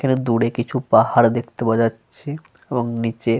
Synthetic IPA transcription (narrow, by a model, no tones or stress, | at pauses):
kʰaned̪uɽekit͡ɕʰupahaɾd̪ekʰt̪ebod͡ʑatːʃʰe | eboŋnit͡ɕe